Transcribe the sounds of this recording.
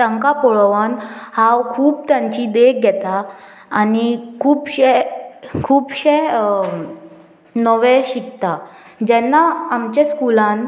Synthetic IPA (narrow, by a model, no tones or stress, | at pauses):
t̪ə̃ŋkapɔɭʋanhãwkʰuːbt̪jãɲt͡ɕid̪ekɡʱɛt̪aː | nikʰuːbɕɛkʰuːbɕe | nɔʋɛ̃ɕikt̪ad͡ʑɛnːaːmt͡ɕẽskulãn